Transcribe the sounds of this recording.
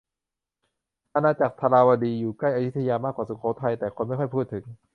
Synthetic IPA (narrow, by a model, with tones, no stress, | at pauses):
ʔaː˧naː˧t͡ɕaː˨˩k̚t̪ʰa˧laː˧waː˧diː˧juː˨˩kla˥˩jʔa˧ju˦˥t̪ʰːa˧jaː˧maː˥˩kːwaː˨˩su˨˩kʰaː˩˦˥t̪ʰa˧jt̪ɛː˨˩kʰo˧nma˥˩jxɔ˥˩jpʰuː˥˩t̪ʰːɯ˩˦ŋ